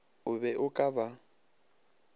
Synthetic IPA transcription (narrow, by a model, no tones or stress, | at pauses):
ʊbɛʔʊkʼaba